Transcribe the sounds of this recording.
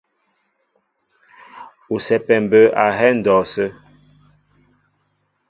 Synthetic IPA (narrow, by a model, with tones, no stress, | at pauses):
o˨sɛ˨pɛ˨m˨bə˨ʔa˨ɦɛ˦n̩˨dɔ˨sə˦